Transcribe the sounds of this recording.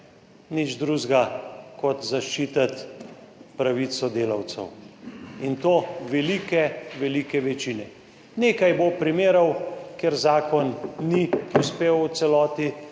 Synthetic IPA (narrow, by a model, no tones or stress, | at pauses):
nid͡ʒd̪ɾuʒɡakɔt̪zaʃt͡ʃiːt̪at̪ | pɾaʋisɔd̪eːlaw̪sɛ̰w | int̪oːʋɛlikɛʋɛlikɛʋɛt͡ʃiːnɛ | neːkajbopɾimeːɾɔwkeɾzaːkɔnːiuspeːw̪sɛlɔːt̪i